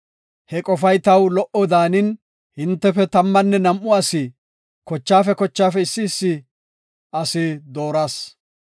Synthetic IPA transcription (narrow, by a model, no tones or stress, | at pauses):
hɛkʼɔfɐjt̪ɐwlɔʔɔd̪aːnɪn | hɪnt̪ːɛfɛt̪ɐmːɐnːɛnɐmʔːʊɐsɪ | kɔt͡ʃːaːfɛkɔt͡ʃːaːfɛɪsːɪːsːɪ | ɐsɪd̪o̞ːɾaːs